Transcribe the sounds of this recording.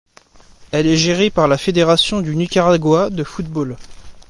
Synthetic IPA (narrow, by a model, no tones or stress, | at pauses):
ɛlɛʒeʁepaʁlafed̪eʁasjɔ̃d̪ynykʲaʁaɡwad̪əfut̪̚bol